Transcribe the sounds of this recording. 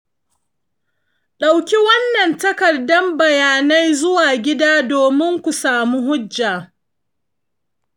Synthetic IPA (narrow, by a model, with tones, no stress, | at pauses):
ɗa˨wkʲi˦wɐ˦nːɐ˨ntɐ˦kɐ˨dɐ˦mbɐ˨jaː˨na˦jzʊ˦waː˨ɡʲɪ˦daː˦doː˨mɪ˦ŋkʷu˨saː˨mu˦ɦʊ˦d͡ʒːaː˨